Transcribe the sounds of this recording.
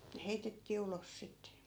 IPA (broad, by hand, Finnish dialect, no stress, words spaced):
ne heitetːiː ulos sitːe